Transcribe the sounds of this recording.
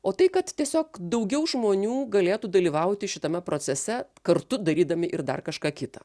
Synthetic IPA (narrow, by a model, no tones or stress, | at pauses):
oːt̪ɐɪkɐt̪tʲiɛsʲoːkd̪ɐʊɡʲɛʊʒmoːnʲuːɡɐlʲeːt̪uːd̪ɐlʲiːʋɐʊt̪ʲɪʃʲɪt̪ɐmʲɛpɾoːsʲɛsʲɛkɐrt̪ʊd̪ɐɾʲiːd̪ɐmʲɪʔɪrd̪ɐ̰rkɐʃkɑːkʲɪt̪ɐ